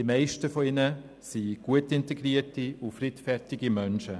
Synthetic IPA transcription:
d̥imaɪʃtəfɔɪnə | siɡ̥uətɪnteɡ̥ɾiətiufɾitfɛɾtɪɡimœnʃə

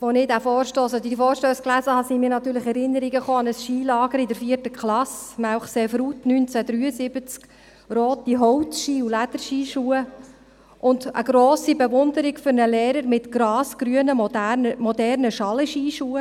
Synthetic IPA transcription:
ʋonɪdæfɔːɾʃtoːsod̪ifoːɾʃtøːsklæzəhɑsimiːɾnɑtyːɾləχɛɾɪnːəɾiɡəχoːɑnəsʃiːlɑːɡ̥əɾɪdɛɾfiərtəkχlɑsmæwχsefɾutnynt͡sæd̪ɾyːəzɪb̥ət͡sk | ɾoːt̚diɦɔwtʃiːulæd̥̪əɾʃiːʃuːə | ʔʊndə̰ɡɾoːsibɛʋʊnd̪əɾiɡfʏɾnəlɛːɾəɾmɪtɡ̥ɾɑːsɡ̥ɾyənəmɔdænəmɔdɛrnəʃɑləʃiːʃuːə

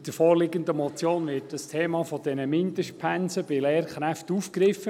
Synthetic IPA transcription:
d̥əɾfɔːɾlɪɡənd̪əmɔt͡sjoːnʋɪt̚d̥əstʰeːmɑfɔd̥ɛnəmɪntəʃpʰænsəb̥ɪlɛːɾχɾæftufkɾɪfːə

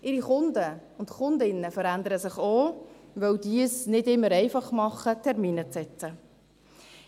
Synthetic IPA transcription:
ʔɪɾiχʊndə | ʊntχʊndɪnːəfəɾændəɾəsɪχoːvœwdiəsnɪdɪmːəɾɛɪfɑχmɑχətʰɛʁmiːnət͡sɛt͡sə

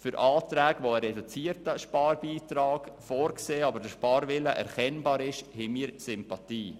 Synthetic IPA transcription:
fʏɾʔɑːtɾæːɡʋoəɾɛdut͡siːəɾtəʃpɑːɾbiːt̪ɾɑːkfɔːɾkseːɑbəɾdəʃpɑːɾʋɪləʔɛ̰ɾkɛnbɑːɾɪʃhɛmiːɾsʏmpɑtiː

